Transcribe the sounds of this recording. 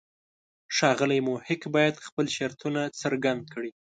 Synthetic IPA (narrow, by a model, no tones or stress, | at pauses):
ʃɑɣəlajmohɪkbɑjad̪xpəlʃaɾt̪unat͡səɾɡand̪̚kɽi